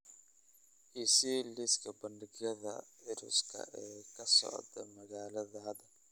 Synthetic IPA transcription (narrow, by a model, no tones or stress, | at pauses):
ʔisilɪskʰɐbɐnɖɪɣjɐðɐ̰ɪɾʊ̰skʰɐ̰ɛːkʰɐsɔ̰ʕd̪ɐmɐɣaːlɐðɐɦɐd̪ɐl